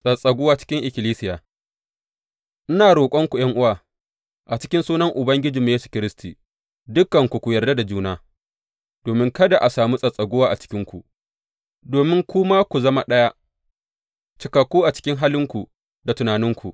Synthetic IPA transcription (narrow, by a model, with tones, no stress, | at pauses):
sʼɐ˨sʼɐ˨ɡʷʊ˦waː˦t͡ʃɪ̥˦kʲɪ˦ŋʔɪ˨kʲɪ˨liː˦sɪ˦jaː˨ | ʔɪ˦naː˨ɽoː˨kʷʼɔ˦ŋkʷu˨j̰ɐ˦ŋʔʊ˦waː˨ | ʔa˨t͡ʃɪ̥˦kʲɪ˦nsuː˦nɐ˦ŋʔʊ˨bɐ˦ŋɡʲɪ˦d͡ʒiː˨m˦jeː˦su̥˨kʲɪ˦ɾɪ˦stʰiː˨ | dʊ˦kːɐ˨ŋkʷu˨kʷu˨jɐ˨rda˦da˨d͡ʒuː˦naː˦ | d̥oː˨mɪ˦ŋkɐ˦da˨ʔa˨saː˨mu˦sʼɐ˨sʼɐ˨ɡʷʊ˦waː˦ʔa˨t͡ʃɪ̥˦kʲɪ˦ŋkʷu˨ | doː˨mɪ˦ŋkʷʊ˦ma˦kʷu˨zɐ˦ma˨ɗɐ˦ja˦ | t͡ʃɪ˨kɐ˨kʷːuː˦ʔa˨t͡ʃɪ̥˦kʲɪ˦ŋɦaː˦lɪ˦ŋkʷu˨ | da˨tʊ˨naː˨nɪ˦ŋkʷʰu˨